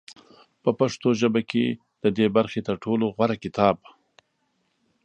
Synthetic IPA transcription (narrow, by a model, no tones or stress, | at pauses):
pəpaʂt̪oʒəbake | d̪̥əd̪ebaɾxet̪əɾʈʰoloɣwaɾakɪt̪ɑb̚